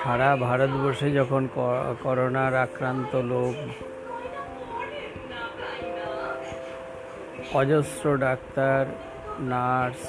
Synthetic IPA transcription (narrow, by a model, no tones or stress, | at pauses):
ʃʰaɾabʱaɾot̪bɔɾʃed͡ʑɔkʰonkɔɾonaɾakɾant̪olok | ɔd͡ʑosɾoɖak̚t̪aɾ | naɾs